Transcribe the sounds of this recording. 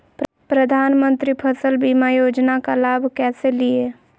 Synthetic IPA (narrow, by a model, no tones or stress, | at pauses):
p | pɾəd̪ʱaːnmə̃nt̪ɾipʰəsəlbiːmajoːd͡ʒnakalaːbʱkɛːselie